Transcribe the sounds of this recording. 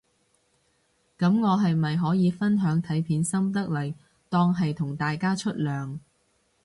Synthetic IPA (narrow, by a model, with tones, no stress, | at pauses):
kɐ˨˧˥mŋɔː˨˧ɦɐ˨jmɐ˨jɦɔː˨˥jiː˨˧fɐ˥nɦœː˨˥ŋt̪ʰɐ˨˥jpʰiː˨˥nsɐ˥mt̪ɐ˥k̚lɐ˨˩j | t̪ɔː˥ŋɦɐ˨jt̪ʰʊ˨˩ŋt̪aː˨jkaː˥t͡ʃʰɵ˥t̚lœː˨ŋ